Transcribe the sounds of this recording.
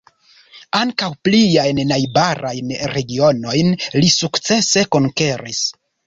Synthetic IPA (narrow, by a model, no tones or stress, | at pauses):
aŋkawpliajnnajbaɾajnɾe̞ɡio̞no̞jnlisukt͡se̞se̞ko̞ŋke̞ɾis